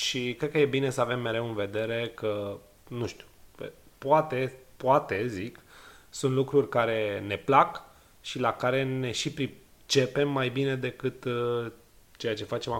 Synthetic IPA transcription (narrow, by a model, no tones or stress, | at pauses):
ʃikɾet̪̚kəje̞bine̞səave̞mːe̞ɾe̞wɨnve̞d̪e̞ɾe̞kə | nuʃt̪u̥ue | poat̪e̞poat̪e̞ziksunt̪lukɾurʲkaɾe̞ne̞plak | ʃilakaɾe̞ne̞ʃipɾi | t͡ʃe̞pe̞mːajbine̞d̪e̞kɨt̪ | t͡ʃe̞jat͡ʃe̞fat͡ʃe̞ma